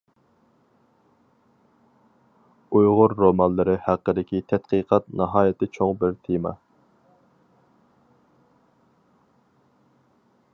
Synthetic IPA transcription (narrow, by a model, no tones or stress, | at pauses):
ujʁʊɾːomɑnlːˠɨɾɨhæqːəd̪ɪkʲʰit̪ʰɛt̪qʰiqʰɑt̪nɑɦɑːjɪt̪ʰɪt͡ʃʰoŋbɪɾt̪ʰemɑ̰